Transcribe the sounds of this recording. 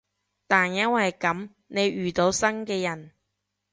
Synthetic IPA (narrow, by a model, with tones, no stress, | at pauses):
t̪aː˨njɐ˥nwɐ˨jkɐ˨˥m | ne˨˧jɥyː˨t̪o˨˧wsɐ˥nkɛː˧jɐ˨˩n